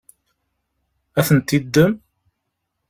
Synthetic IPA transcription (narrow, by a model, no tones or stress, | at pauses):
æθənt̪ːid̪ːəm